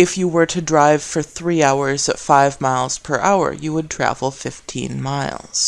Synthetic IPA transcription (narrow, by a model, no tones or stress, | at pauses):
ɨfjɨwə˞ɾʰɨdɹaɪv̥fə˞θɹiaʊə˞zɨtfaɪvmaɪlˠz̥pʰə˞ʔa̰ʊə̰˞jɨwəd̚tʰɹ̥æ̰vl̩ˠfɪftʰḭ̃nmaɪlˠz̥